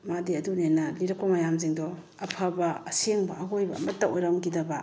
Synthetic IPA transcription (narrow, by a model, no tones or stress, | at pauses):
madiɐdunenɐliɾɐk̚pɐmɐjamziŋdɔ | ɐpʰɐbɐːseŋbɐɐɦojbɐ̰ːmɐtːɐojɾamɡidɐbɐ